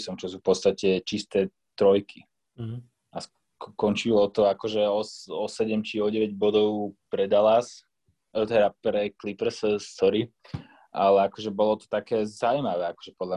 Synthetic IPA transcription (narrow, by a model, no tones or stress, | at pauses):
sɔmt͡ʃɔsuːfpɔt̪st̪acɛt͡ʃist̪ɛː | t̪ɾɔjkʰi | as | kɔnt͡ʃilɔt̪ɔakɔʒɛɔsɔsɛɟɛmt͡ʃiɔɟɛʋɛɟbɔd̪ɔʊpɾɛd̪alas | t̪ɛd̪apɾɛklipɾsst̪ɔɾi | ʔalɛakɔʒɛbɔlɔt̪ɔ̥t̪akɛːzaumaʋɛːakɔ̥ʒɛpɔd̪la